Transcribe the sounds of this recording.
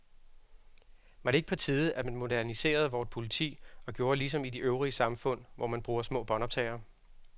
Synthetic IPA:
ʋɑ̈ɾ̥e̝e̝ɡ̥əpʰɒ̽t͡sʰiːð̞ˠəæd̥mænmo̝dæɐnise̝̰ːɐð̞̩ˠʋɒːd̥pʰo̝lit͡sʰḭːɒ̽ɡ̥jo̝ːɐlisɒ̽mid̥iʔøʊʁiəsɑ̈mfɔ̽n̰ʋɒ̰mænb̥ʁuːɐsmɔ̰̽ːb̥ɒ̽nɒb̥̚t͡sʰɛ̰ːɪɐ

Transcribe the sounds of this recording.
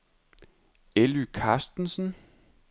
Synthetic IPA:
elykʰɑ̈ːsd̥n̩sn̩

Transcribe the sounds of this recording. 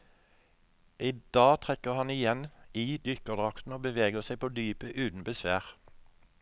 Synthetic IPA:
ʔɪd̪̥ɑːt̪ʰʁɛkəʁhɑnɪjɛniːd̪ʏkəʁd̪ʁɑkt̪n̩oːbəʋeːɡəʁsæɪpʰoːd̪yːpəʔʉːt̪n̩bəsʋæːʁ

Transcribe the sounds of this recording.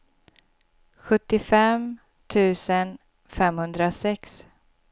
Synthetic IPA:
ɧɵt̪ːɪfɛm | t̪ʰʉ̟ːsən | fɛmhɵnd̪ɾasɛks

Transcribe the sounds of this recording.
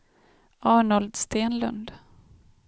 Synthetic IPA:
ʔɑːɳɔld̪st̪eːnlɵ̰nd̪

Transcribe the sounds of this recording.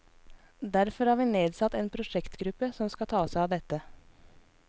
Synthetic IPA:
d̪æɾfɔɾhɑːʋiːneːd̪sɑt̪eːnpʰɾʊʃɛkt̪ɡɾʉpəsɔmskɑt̪ʰɑːsæɪɑːʋd̪ɛt̪ə

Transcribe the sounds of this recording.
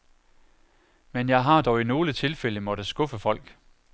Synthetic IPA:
menjɑ̈ɪɦɑ̈d̥ɒʊino̝ːlət͡sʰe̝lfel̰əmɒ̽ɾ̥əsɡ̥ɔfəfɒ̽l̰ɡ̥

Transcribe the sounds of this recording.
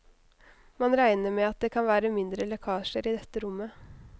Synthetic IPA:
mɑnɾæɪnəɾmɛɑt̪̚d̪eːkʰɑnʋæːɾəmɪnd̪ɾəlɛkʰɑːʃəɾiːd̪ɛt̪ːəɾʊmːə

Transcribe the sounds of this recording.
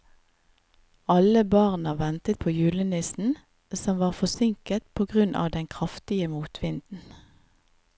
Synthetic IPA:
ɑləbɑːʁnɑʋɛnt̪ət̪̚pʰoːjʉːlənɪsn̩ | sɔmʋɑːʁfɔsɪŋkət̪pʰoːɡʁʉnʔɑ̰ːʋd̪ɛŋkʰʁɑft̪ɪəmuːt̪ʰʋɪnd̪n̩

